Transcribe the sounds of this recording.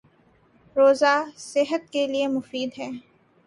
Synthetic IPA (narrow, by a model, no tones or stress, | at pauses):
ɾoːzasɪɦət̪̚keliemʊfiːd̪ɦɛː